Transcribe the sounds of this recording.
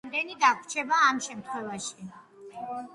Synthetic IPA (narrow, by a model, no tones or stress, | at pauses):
md̪ɛnid̪akʷʰt͡ʃʰɛbaːmʃɛmt̪ʰχwɛvaʃi